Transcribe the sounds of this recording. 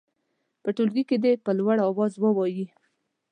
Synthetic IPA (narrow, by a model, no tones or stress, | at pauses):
pəʈolɡiked̪epəlwaɽɑwɑzwəwɑji